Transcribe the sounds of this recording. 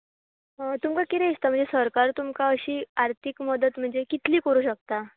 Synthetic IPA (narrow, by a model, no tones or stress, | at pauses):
ɦt̪umkakit̪ɛ̃ist̪am̤əɳd͡zesəɾkaɾt̪umkaəɕiːaɾt̪ʰikməd̪ət̪m̤əɳd͡zekit̪liːkəɾuːɕək̚t̪a